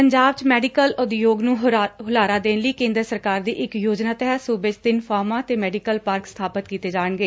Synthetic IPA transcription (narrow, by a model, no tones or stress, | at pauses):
pəɲd͡ʒaːbt͡ʃmɛːɖikəlʊd̪joːɡnũːɦʊlaːɾaːd̪eːnləiːkẽːnd̪ɾəsəɾkaːɾd̪iːʔɪkjoːd͡ʒnaːt̪əɦɛsuːbət͡ʃd̪ɪnfʰaːmãːt̪eːmɛːɖikəlpaːɾkst̪ʰaːpət̪kiːt̪eːd͡ʒaːəɳɡəeː